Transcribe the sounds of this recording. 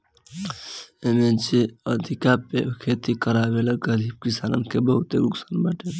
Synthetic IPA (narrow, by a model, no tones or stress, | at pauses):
emed͡ʒeəd̪ʱikapekʰet̪ikəɾabeləɡəɾib̚kisanə̰nkebəɦut̪eɾuksanbəʈel